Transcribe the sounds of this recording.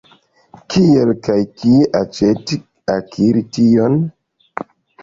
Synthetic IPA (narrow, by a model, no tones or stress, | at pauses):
kʰielkajkieʔat͡ʃeti | akʰiɾition